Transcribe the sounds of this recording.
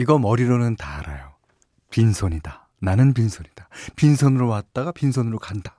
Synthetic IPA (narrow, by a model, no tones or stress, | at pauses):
iɡʌmʌɾiɾonɯntaɾajo | pinsʰoɲida | nanɯnp̬insʰoɲidḁpinsʰonɯɾowat̚t͈aɡapinsʰonɯɾokandḁ